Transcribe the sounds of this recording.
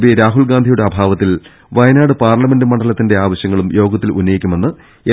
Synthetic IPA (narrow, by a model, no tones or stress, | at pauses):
biɾaːɦulɡaːnd̪ʱijuɽe̞ɐbʱaːʋɐt̪ːil | ʋɐjnaːɽɨpaːrɭɐme̞ndɨmɐɳɖɐlɐt̪ːinde̞aːʋɐɕjɐŋːɐɭumjo̞ːɡɐt̪ːilunːɐjikʲːume̞nːɨ | e